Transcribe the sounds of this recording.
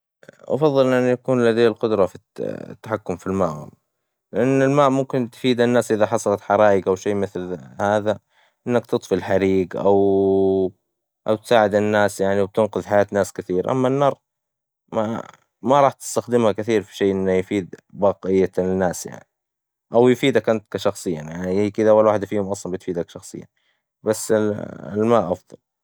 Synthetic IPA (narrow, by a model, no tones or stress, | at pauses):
ʔɑ̰fɑðˤːɨlʔanːjakuːnlad̪ajːlqʊd̪ɾˤɑfḭt̪ːaħakːʊmfilmaːʔhʊ̰m | lɪʔanːɪlmaːʔmʊmkɪnt̪fiːd̪ɪnːaːsʔɪðaħɑsˤɑlɑt̪ħɑɾˤɑːʔɪɡʔawʃeːmɪθlhaːða | ʔɪnːakt̪ɨt̪ˤfilħaɾiːɡʔa̰w | ʔawt̪saːʕɪd̪ɪnːaːsjaʕniwb̚t̪ɪnqʊðħajaːt̪naːskɪθiːɾʔa̰mːanːɑːɾˤ | ma | maɾˤɑːħt̪ɪ̥st̪axd̪ɪmhakɪθiːɾfi̥ʃeːʔɪnːajfiːd̪bɑːqɪjːanːaːsja̰ʕni | ʔawjfiːd̪akant̪kaʃɑxsˤɨjːajaʕnikɪd̪awalwaːħɪd̪afiːhʊmʔɑsˤlɑlbɪt̪fiːd̪akʃɑxsˤɨ̰jːa̰ | basːlmaʔɑfðˤɑl